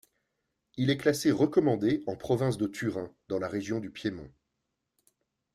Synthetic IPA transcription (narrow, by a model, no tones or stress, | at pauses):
ilɛklaseʁəkɔmɑ̃d̪eɑ̃pχɔvɛ̃s̬d̪ət̪ʰyʁɛ̃d̪ɑ̃laʁeʒjɔ̃d̪ypjemɔ̰̃